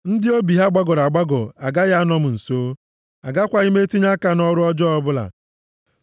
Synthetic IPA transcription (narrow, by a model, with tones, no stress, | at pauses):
n̩˦dɪ˦o˦bi˨ɦa˦ɡ͡ba˦ɡɔ˨ɾa˨ɡ͡ba˦ɡɔ˨a˨ɡa˦ɣa˦a˦nɔ˦mʊ˨n̩˨soː˦ | a˨ɡa˦kʷa˨i˦me˦ti˦ɲa˦ka˨nɔ˦ɾʊ˦ɔ˦d͡ʒɔ˦ɔ˦bʊ˦la̰˨